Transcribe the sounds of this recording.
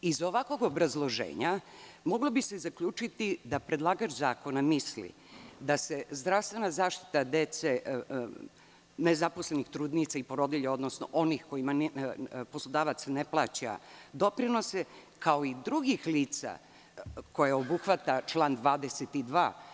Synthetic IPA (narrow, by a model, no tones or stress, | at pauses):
izo̞ʋako̞ɡo̞bɾazlˠo̞ʒḛːɲamo̞ɡlˠobise̞zakʎuːt͡ʃit̪id̪apɾe̞d̪lˠaːɡat͡ʃzaːko̞namislḭ | d̪ase̞zd̪ɾaʋst̪ʋe̞nazaːʃt̪i̥t̪ad̪et̪se | nezapo̞slenixt̪ɾuːd̪nit̪saipo̞ɾo̞d̪iʎeo̞d̪nosno̰ʔo̞nixko̞imanpo̞slˠod̪aːʋat̪sneplˠa̰ːt͡ɕa̰d̪o̞pɾino̞se | kao̞id̪ɾuɡixliːt̪sa̰ | ko̞jeo̞buxʋat̪at͡ʃlˠaːnd̪ʋaːd̪eset̪id̪ʋa̰ː